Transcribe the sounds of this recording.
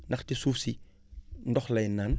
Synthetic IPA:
nɐxtisuːfsi | ndɔxlejnːaːn

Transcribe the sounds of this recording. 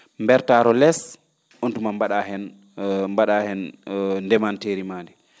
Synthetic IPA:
mbɛɾtaːɾɔlɛs | ʔontumambaɗahɛn | mbaɗahɛnndɛmanteːɾimaːndɛ

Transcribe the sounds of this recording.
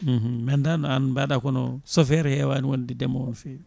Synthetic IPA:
m̩h̩mɛndanɔanbaɗakɔnɔ̰sɔfɛɾɛhɛwaːniwondidɛmɔwɔnfɛ

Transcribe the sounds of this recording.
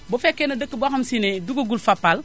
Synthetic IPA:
bofekːenɐdəkːəbaxɐmsineduɡoɡulfapːal

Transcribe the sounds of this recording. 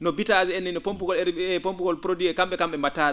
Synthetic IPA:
nɔbitazɛnːinɔpompuɡɔlɛɾɛpompuɡɔlpɾoduɛkamɓɛkamɓɛmataːɗ

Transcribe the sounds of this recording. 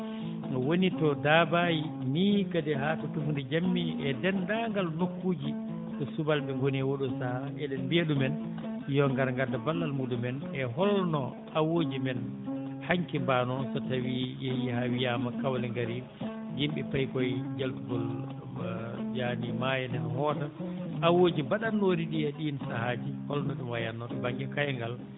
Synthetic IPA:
wonitɔdabaji | niːkadɛɦatɔtufundɛd͡ʒamːiʔɛdɛndaŋɡalnokːuːd͡ʒi | ɗɔsubalbɛŋɡoniɛwoɗusaha | ɛdɛnbeɗumɛn | jɔŋɡaɾŋɡadːabalːalmuɗumɛn | ɛɦɔlnɔ | ʔawoːd͡ʒimɛnhaŋkɛmbanɔsɔtawijɛjihawijaːmakawlɛŋɡaɾi | d͡ʒimɓɛpajkɔjd͡ʒaltuɡɔl | d͡ʒanimajɛnɛahɔtaʔawoːd͡ʒibaɗanːoːɾiɗiaɗinsahad͡ʒihɔlnɔɗɛwajanːɔɗɔbaŋɡɛkajaŋɡal

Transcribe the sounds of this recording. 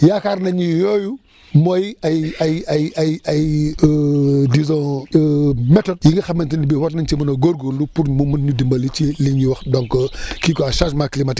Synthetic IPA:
jaːkaɾnɐɲijɔju | mɔjɐjɐjɐjɐjɐj | dizɔ̃ | mɛtɔd̚jiŋɡɐxɐmɐntinibɛwɐtnɐnt͡ʃimɐnɐɡoɾɡolupuɾmumɐnɲidimbɐlit͡ʃiliiwɐxdɔŋkɔkikɔɐʃaʒmaklimɐtik

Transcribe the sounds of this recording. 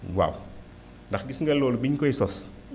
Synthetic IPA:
wa̰w | ndaxɡisŋɡalːolbiɲkoisɔs

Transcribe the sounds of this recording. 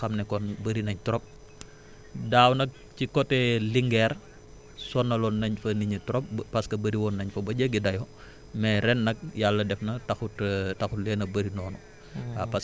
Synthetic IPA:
xɐmnɛkɔnbəɾinɐɲtɔɾɔp̚ | daːwnɐk̚ | cikɔtːɛliŋɡɛr | sɔnːɐlɔnːɐɲfɐniɲətuɾɔp̚ːɐskɐbɐɾiwɔːnːɐɲfɐbɐɟəɡidɐjɔ | mɛɾɛnːɐk̚jalːɐdɛfnɐtɐxuttɐxutlɛːnɐbəɾinɔːnɔ | apɐs

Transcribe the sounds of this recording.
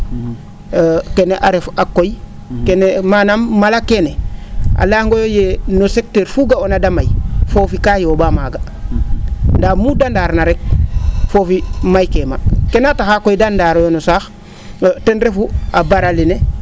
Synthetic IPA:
keneʔaɾefakoj | kenemanamːalakenea̰laŋɡojojenosek̚teɾfuɡaonadamajfoːfikajoːbamaːɡa | ndaːmudandaɾnaɾek̚fofimajkeːma̰kenataxakojdandaɾojonosaːx | tenɾefuabaɾalene

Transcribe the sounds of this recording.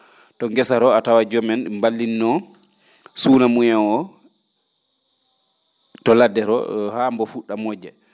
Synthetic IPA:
tɔŋɡɛsaɾɔatawad͡ʒɔmɛnmbalːinːɔ | sunamujaɔ | tɔladɛɾɔ̰hambɔfuɗːamɔd͡ʒɛ

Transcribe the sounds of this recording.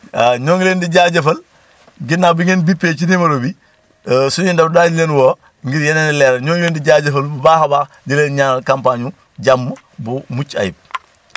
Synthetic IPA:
aɲɔːŋleːndiɟaːɟɐfɐl | ɡinːaːbiŋenbipːeːt͡ʃinimɐɾobi | suɲundɐfdaːɲlenwoː | ŋɡiɾjɐnenilɛːɾɐɲɔːŋleːndiɟaːɟɐfɐlbahaba | ɟileːnɲakampaɲu | ɟamːə | bumut͡ʃa̰jḭb̚

